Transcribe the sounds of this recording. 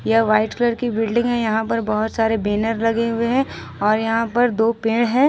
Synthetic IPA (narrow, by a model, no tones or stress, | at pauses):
jɐʋaːɪʈkɐləɾkibɪlɖɪ̃ŋɡɦɛ̃jɐɦãpɐɾbɐɦʊt̪saːɾebeːnəɾlɐɡeɦʊeɦɛ̃ | ɔːɾjɐɦãpɐɾd̪oːpẽːɽɦɛ̃ː